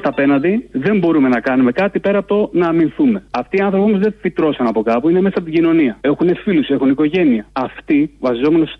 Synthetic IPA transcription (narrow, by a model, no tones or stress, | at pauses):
t̪ɐpe̞nɐnðiðe̞mbo̞ɾume̞nɐkɐnume̞kɐt̪ipe̞ɾɐpt̪onɐːminθume̞ɐft̪iːɐnθɾo̞pimozðe̞fit̪ɾo̞sɐnɐpo̞kɐpuine̞mesɐɐpt̪iɟino̞niɐe̞xunefiluse̞xuniko̞ʝe̞niɐːft̪ivɐsizo̞me̞nos